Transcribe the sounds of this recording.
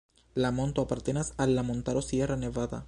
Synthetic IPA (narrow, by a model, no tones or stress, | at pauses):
lamont̪oapaɾt̪enasalːamont̪aɾosjeraneβaða̰